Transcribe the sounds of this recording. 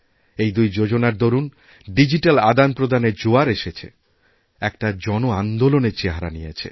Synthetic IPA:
ejd̪ujd͡ʑod͡ʑonaɾd̪oɾun | ɖid͡ʑiʈalad̪anpɾod̪ʱaned͡ʑoaɾeʃet͡ɕʰḛ | ɛk̚ʈad͡ʑɔnoand̪oloneɾt͡ɕeɦaɾanijet͡ɕʰḛ

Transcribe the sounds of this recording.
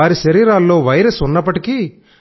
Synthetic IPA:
aːɾiʃɐɾiːɾaːlːo̞ːʋɐjɾesunːɐpːɐʈiki

